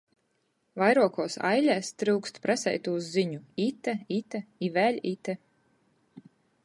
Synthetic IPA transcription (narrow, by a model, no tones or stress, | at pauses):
vajɾuɔkuɔsa̰jlʲæːst̪ɾɨwkst̪pɾasɛ̰jt̪uːzːiɲuit̪ɛit̪ɛivæːlʲit̪ɛ